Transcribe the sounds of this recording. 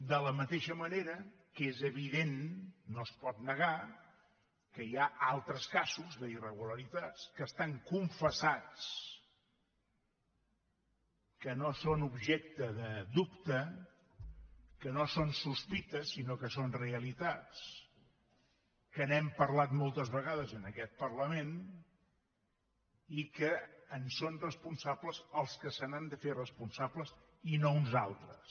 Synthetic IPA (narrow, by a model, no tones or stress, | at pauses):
d̪ələmət̪eʃəməneɾə | kezəβiðenːospɔt̪nəɣa | kəjaʔalˠt̪ɾəskazuzðəirəɣuləɾit̪at͡skəst̪aŋkuɱfəsat͡s | kənosonubʒɛk̚t̪əðəd̪upt̪ə | kənosonsuspit̪əsːinokəsonreəlit̪at͡s | kənɛmpəɾlat̪molˠt̪əzβəɣaðəzənəkɛt̪̚pəɾləmen | ikəːnsonrəspunsabləzəlˠskəsənand̪əferəspunsabləz | inounzalˠt̪ɾəs